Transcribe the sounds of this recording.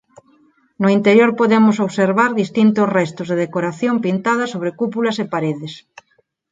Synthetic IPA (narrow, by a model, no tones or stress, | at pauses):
nʊint̪eɾjoɾpoðemʊsoβseɾβaɾðist̪int̪osrɛst̪ʊzðeðekoɾaθjompint̪að̞ɐsoβ̞ɾekupulɐsepaɾeðɪs